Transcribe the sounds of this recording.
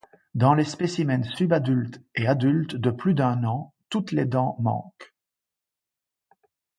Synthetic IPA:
d̪ɑ̃lespesimɛnsybad̪ylt̪ead̪ylt̪d̪əplyd̪ɛ̃nɑ̃ | t̪ut̪led̪ɑ̃mɑ̰̃k

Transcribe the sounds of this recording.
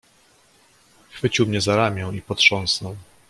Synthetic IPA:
xfɘt͡ɕiwmɲɛzaɾamʲjɛ̃ipɔtʂɔ̃ñsnɔw

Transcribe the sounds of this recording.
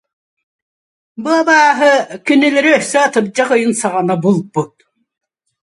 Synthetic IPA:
buabaːɦɯkynilɛɾiœhsɛːt̪ɯp̚d͡ʑaqɯjɯnsaʁanabulˠbut̪̚

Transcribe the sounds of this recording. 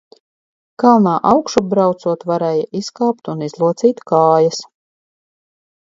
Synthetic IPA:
kalˠnaːʔawkʃubɾawt̪suɔt̪vaɾɛːjaʔiskaːpt̪unizlˠuɔt̪siːt̪kaːjɐs

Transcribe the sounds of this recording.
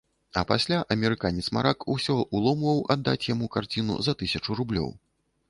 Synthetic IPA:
ɐ̰pasʲlʲaʔɐmʲɛɾɨkanʲɛt̪sma̰ɾʔakusʲɔʔulˠɔmvɐwʔa̰d̪ːat͡sʲjamukart͡sʲinṵzɐt̪ɨsʲɐt͡ʂurublʲɔ̰w

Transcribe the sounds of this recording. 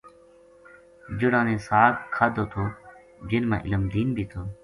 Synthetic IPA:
d͡ʒʊɽãːnẽːsaːkkʰːaːd̪oːt̪ʰoː | d͡ʒɪnmã̰ːʔɪ̰ləmd̪iːnbʱiːt̪ʰoː

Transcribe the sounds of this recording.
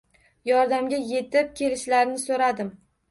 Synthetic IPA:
jɒɾd̪amɡʲaje̞t̪ɪp̚kʲʰe̞lɪʃlaɾnɪsoɾad̪ɪm

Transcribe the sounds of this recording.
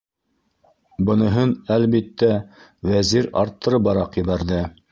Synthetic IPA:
bɤ̆nɤ̆ɦɤnælβit̪ːæwæziɾɑ̰ɾt̪ːɤ̆ɾɤbɑɾɑqjɤ̆βæɾðɘ

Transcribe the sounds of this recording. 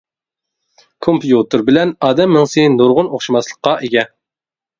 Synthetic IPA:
kʰompjut̪ɨɾbɪlɛnɑːd̪ɛmːɪŋsejnd̪oɾʁʊnoχʃimɑslˠəqːɑʔeɡʲɛ

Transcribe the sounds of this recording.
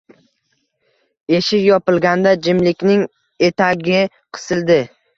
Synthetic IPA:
e̞ʃɪkjɒpɪlˠɡʲand̪ad͡ʒɪmlɪkʲnɪŋ | e̞t̪ʰaɡʲɪ | qʰɨ̥sɪld̪ɪ

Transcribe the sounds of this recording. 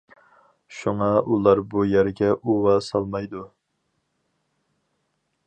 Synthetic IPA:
ʃuŋɑʔulˠɑɾbujæɾɡʲɛʔuwɑsɑlˠmɑjd̪u

